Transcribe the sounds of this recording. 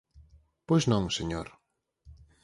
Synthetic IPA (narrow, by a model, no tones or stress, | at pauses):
pojznɔ̃ŋseɲoɾ